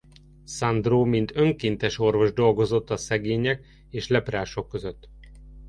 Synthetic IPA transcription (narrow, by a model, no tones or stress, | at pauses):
sɒnd̪roːmint̪ø̞ŋkiːnt̪ɛʃo̞rvo̞ʒd̪o̞lɡo̞zo̞t̪ːɒsɛɡeːɲɛk | eːʃlɛpraːʃo̞kːø̞zøt̪ː